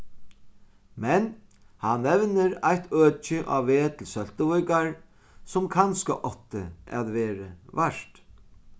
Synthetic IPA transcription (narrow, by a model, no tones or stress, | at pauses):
mɛn | hanːɛʋnɪɾajt̪ʰœːt͡ʃɪʔa̰ʋːeːt̪ʰɪlsœl̥t̪əʋɔjkaɹ | sʊmkʰanska̰ʔɔht̪ɪ̰a̰ðʋɛːɾɪʋaʂt̪